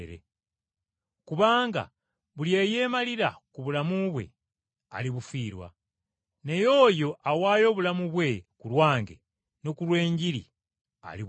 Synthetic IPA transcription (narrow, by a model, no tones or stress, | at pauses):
ɾḛ | kuβaːŋɡa̰ | βuljeje̞ːmaliɾa̰kuβulamuβwe̞̰ | a̰liβufiːɾwa̰ | ne̞jo̞ːjo̞ʔawaːjo̞ːβulamuβwe̞kulwaːŋɡḛ | nokulwe̞ːɲɟilḭ | a̰li